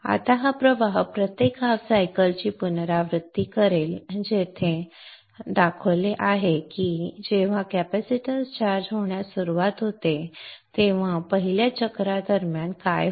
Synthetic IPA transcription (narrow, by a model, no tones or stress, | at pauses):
a̰t̪aɦapɾəʋaɦpɾət̪jekasajkəlt͡ɕiːpunɾaʋɾɨt̪ːikəɾeld͡ʑet̪ʰẽ | d̪akʰəleʔaɦekid͡ʑeʋ̤ãkæpæsiʈəzt͡ɕaɾd͡ʑɦoɳjasuɾuʋat̪ɦot̪et̪eʋ̤ãpəɦiljat͡ɕəkɾad̪əɾmjankaj